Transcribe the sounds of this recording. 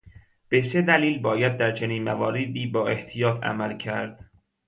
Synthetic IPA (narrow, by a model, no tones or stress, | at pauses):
b̥e̞se̞d̪æliːlbɒːjæd̪̚ːæɾt͡ʃʰeniːnmæ̰vɒːɾed̪iːbɒːʔe̞ht̪ʰijɒːt̪ʰæ̰mælcʰæɾd̪̥